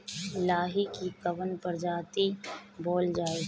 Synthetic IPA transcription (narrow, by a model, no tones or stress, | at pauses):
ɪlaːɦikikɐʋənpɐɾd͡ʒaːt̪ibɔːld͡ʒaːe